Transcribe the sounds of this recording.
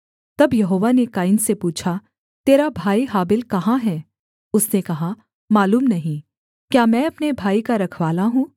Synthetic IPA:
t̪ɐbjɐɦoːʋanekaːɪnsepuːt͡ʃʰa | t̪eːɾabʱaːiɦaːbɪlkɐɦãɦɛː | ʊsnekɐɦa | maːluːmnɐɦĩ | kjaːmɛ̃ːɐpnebʱaːikaɾɐkʰʋaːlaɦũː

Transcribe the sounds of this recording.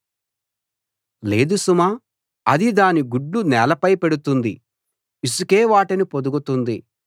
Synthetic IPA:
le̞ːd̪usuma | ɐd̪id̪aːniɡuɖːunɛːlɐpɐjpe̞ɽut̪und̪i | isukeːʋaːʈɐnipod̪uɡut̪und̪i

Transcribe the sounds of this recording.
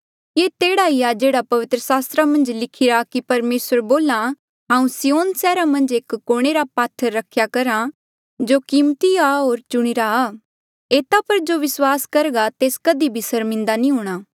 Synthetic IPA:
jeːt̪eːɽaiad͡ʒeːɽapɐʋɪt̪ɾəsaːst̪ɾamɐ̃nd͡ʒlɪkʰɪɾakipɐɾmeːsəɾboːla | ɦãːũsijoːnsɛːɾamɐ̃nd͡ʒeːkːoːɽ̃eɾapaːt̪ʰːəɾːɐkʰjakɐɾa | d͡ʒoːkiːmt̪iaɦoːɾt͡ʃʊɽ̃iɾaː | eːt̪apɐɾd͡ʒoːʋɪswaːskɐɾɡat̪eːskɐd̪ibʱisɐɾmɪ̃nd̪anĩɦuːɽ̃aː

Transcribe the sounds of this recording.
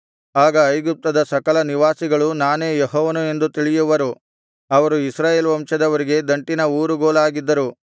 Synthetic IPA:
aːɡɐːjɡup̚t̪ɐd̪ɐsɐkɐlɐniʋaːsiɡɐɭunaːne̞ːjeɦɔːʋɐnue̞nd̪ut̪iɭijuʋɐɾu | ɐʋɐɾuisɾaːjeːlʋɐmʂɐd̪ɐʋɐɾiɡe̞d̪ɐɳʈinɐuːɾuɡoːlaːɡid̪ːɐɾu

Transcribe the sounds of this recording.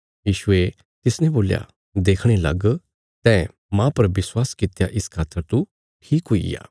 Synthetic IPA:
jiːʃʊe | t̪ɪsnẽboːlja̰ | d̪eːkʰɽ̃ela̰ɡ | t̪ɛ̃ː | mãpəɾʋɪswaːskɪt̪jaʔɪskʰaːt̪əɾt̪u | ʈʰiːkɦoḭja̰ː

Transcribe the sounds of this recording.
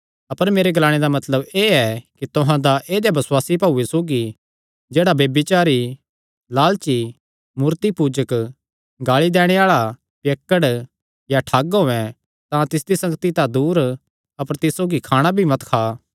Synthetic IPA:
ɐpəɾmeːɾeɡɐlaːɽ̃ed̪amɐt̪ləbeːɛkit̪ʊɦãd̪aʔeːd̪jebɐsʊwaːsipaːuesoːɡi | d͡ʒeːɽabeːbit͡ʃaːɾi | laːlt͡ʃi | muːɾt̪ipuːd͡ʒək | ɡaːɭid̪ɛːɽ̃eaːɭa | pjeːkːəɽ | jaʈʰaːɡɦoːɛ̃ | t̪ãt̪ɪsd̪isɐ̃ŋɡt̪it̪ãd̪uːɾ | ɐpəɾt̪ɪsoːɡikʰaːɽ̃abʱimɐt̪kʰaː

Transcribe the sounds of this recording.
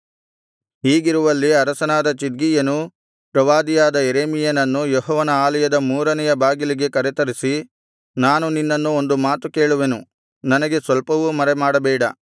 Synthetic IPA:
ɦiːɡiɾuʋɐlːiɐɾɐsɐnaːd̪ɐt͡ʃid̪̚ɡijɐnu | pɾɐʋaːd̪ijaːd̪ɐjeɾeːmijɐnɐnːujɔɦɔːʋɐnɐaːlɐjɐd̪ɐmuːɾɐnɛjɐbaːɡiliɡe̞kɐɾɛt̪ɐɾisi | naːnuninːɐnːuond̪umaːt̪uke̞ːɭuʋe̞nu | nɐnɐɡe̞sʋɐlpɐʋumɐɾemaːɽɐbɛːɽɐ̰

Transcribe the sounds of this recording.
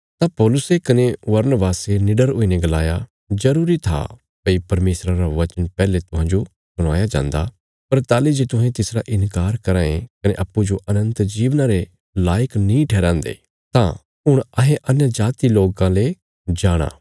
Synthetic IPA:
t̪ãpɔːlʊsekɐneʋɐɾnəbaːsenɪɖəɾɦʊineɡɐlaːja | d͡ʒɐɾuːɾit̪ʰa̰ | pɐipɐɾmeːsɾaɾaʋɐt͡ʃənpɛːlet̪ʊɦãːd͡ʒo | sʊɽ̃a̰ːjad͡ʒã̰ːnd̪a̰ | pɐɾt̪aːlid͡ʒeːt̪ʊ̃ɦẽt̪ɪsɾaʔɪ̃nkaːɾkɐɾãːẽkɐneʔɐpːud͡ʒoʔɐnə̃nt̪d͡ʒiːʋnaɾe | laːjəknĩʈʰɛːɾãːnd̪ḛː | t̪ã | ɦʊɽ̃ɐɦẽʔɐnjəd͡ʒaːt̪iloːɡãle | d͡ʒaːɽ̃a̰ː

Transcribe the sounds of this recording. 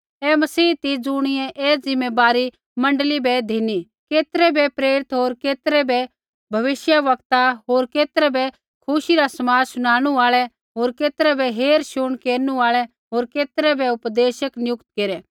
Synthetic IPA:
ɛmɐsiːt̪id͡zʊɽ̃ɪjɛ̃ʔɛːd͡zɪmebaːɾi | mɐ̃ɳɖəlibɛd̪ʱini | keːt̪əɾɛbɛpɾeːɾɪt̪ɦoːɾkeːt̪ɾɛbɛ | bʱɐʋɪʃjaʋɐkt̪aɦoːɾkeːt̪ɾɛbɛ | kʰʊʃiɾasɐmaːsʊɽ̃aːɽ̃uaːɭɛ | ɦoːɾkeːt̪ɾɛbɛɦeːɾʃʊɳ̃keːɾnũaːɭɛ | ɦoːɾkeːt̪ɾɛbɛʊpd̪eːʃəknɪjʊkt̪keːɾɛː

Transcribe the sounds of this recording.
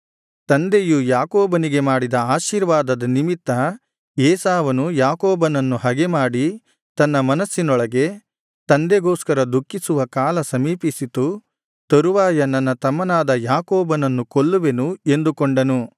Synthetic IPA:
t̪ɐnd̪ejujaːkɔːbɐniɡe̞maːɽid̪ɐaːʃiːɾʋaːd̪ɐd̪ɐnimit̪ːɐ | jɛːsaːʋɐnujaːkɔːbɐnɐnːuhɐɡemaːɽi | t̪ɐnːɐmɐnɐsːinɔɭɐɡe̞ | t̪ɐnd̪eɡɔːskɐɾɐd̪ukːisuʋɐkaːlɐsɐmiːpisit̪u | t̪ɐɾuʋaːjɐnːɐnːɐt̪ɐmːɐnaːd̪ɐjaːkɔːbɐnɐnːukoɭːuʋe̞nue̞nd̪ukoɳɖɐnu

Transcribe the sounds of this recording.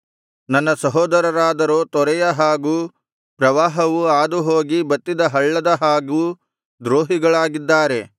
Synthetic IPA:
nɐnːɐsɐɦɔːd̪ɐɾɐɾaːd̪ɐɾoːt̪ɔɾɛjɐɦaːɡuː | pɾɐʋaːɦɐʋuaːd̪uɦoːɡibɐt̪ːid̪ɐɦɐɭːɐd̪ɐɦaːɡuː | d̪ɾoːɦiɡɐɭaːɡid̪ːaːɾe̞

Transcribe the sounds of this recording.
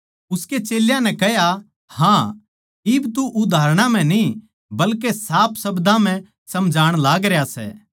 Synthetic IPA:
ʊsket͡ʃeːljãnɛ̃kɛɦja | hã | ɪbt̪uʔʊd̪ʱaːɾɽ̃ãm̤ɛ̃ni | bɐlkesaːpʰsɐbd̪ãm̤ɛ̃ | sɐmd͡ʒʱaːɽ̃laːɡɾejasɛ̰ː

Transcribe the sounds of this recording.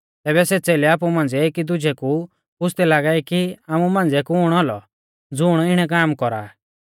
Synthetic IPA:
t̪ɛːbɛsɛːt͡sɛːlɛaːp̬umãːnd͡zɛːkid̪ʊd͡ʒʱɛku | pʊsʰt̪ɛlaːɡaːikiaːmumãːnd͡zɛkuʊɽ̃ɔlɔ | d͡zʊːɽ̃ɔɪɽ̃ɛk̬aːmkɔɾa̰ː

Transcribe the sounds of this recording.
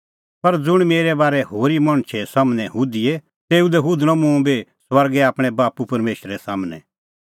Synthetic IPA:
pɐɾd͡zʊɽ̃meːɾɛbaːɾɛɦoːɾimɐɽ̃t͡ʃʰɛsaːmnɛɦuːd̪iɛ | t̪eːud̪ɛɦuːd̪nɔ̃mũbeswɐɾɡɛaːpɽ̃ɛbaːpupɐɾmeːʃɾɛsaːmnɛ̰̃

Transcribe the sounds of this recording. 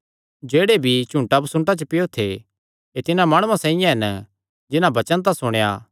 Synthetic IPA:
d͡ʒeːɽebʱit͡ʃũɳʈabsʊ̃ɳʈat͡ʃəpɪjot̪ʰe | et̪ɪnãmaːɽ̃ʊ̃ãsãːɪ̃jãɦɛnə | d͡ʒɪnãbɐt͡ʃə̃nt̪̬asʊɽ̃ja̰

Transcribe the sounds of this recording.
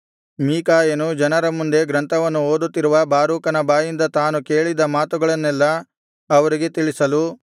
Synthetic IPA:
miːkaːjɐnud͡ʒɐnɐɾɐmund̪e̞ɡɾɐnt̪ʰɐʋɐnːuoːd̪ut̪ːiɾuʋɐbaːɾuːkɐnɐbaːjind̪ɐt̪aːnuke̞ːɭid̪ɐmaːt̪uɡɐɭɐnːɛlːɐ | ɐʋɐɾiɡe̞t̪iɭisɐlu

